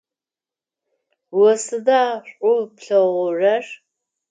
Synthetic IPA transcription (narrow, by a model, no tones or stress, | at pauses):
wɔsɨdaːɕʷʼʊpɬɐʁʷʊrɐr